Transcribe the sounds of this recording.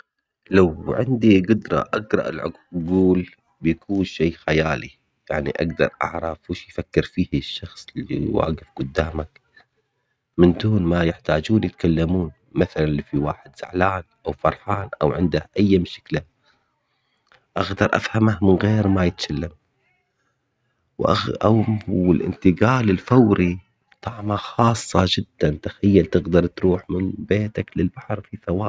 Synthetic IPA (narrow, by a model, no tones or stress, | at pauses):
lawʕɪ̰nd̪iɡʊd̪ɾˤɑ̰ʔaɡɾˤɑ̰ʔɪ̰lʕʊ | ɡuːl | bjakʰuːnʃeːxajaːlḭ | jaʕnḭʔa̰ɡd̪ɑ̰ɾˤʔɑ̰ʕɾˤɑfwuʃjfakːɪɾfiːhʃːɑxsˤlːḭwa̰ːɡɪfɡ̥ʊd̪ːaːmak | mɪnd̪uːnmajɪħt̪aːd͡ʒuːnjɪt̪kalːamuːn | maθalanlifiwaːħɪd̪z̥a̰ʕlaːnʔawfɑɾˤħaːnʔa̰wʕɪ̰nd̪ahʔajːamʃḁkla | ʔaɣd̪ɑɾˤʔa̰fhamahmɪnɣeːɾmajɪt̪kalːam | wʔa̰awɪlʔɪ̰nt̪ɪɡaːlɪlfawɾi | t̪ˤɑʕmaxɑːsˤːɑd͡ʒɪd̪ːant̪ḁxajːalt̪ɪɣd̪ɑɾˤt̪ɾuːħmɪnbeːt̪aklɪlbaħɑɾˤfiθawaː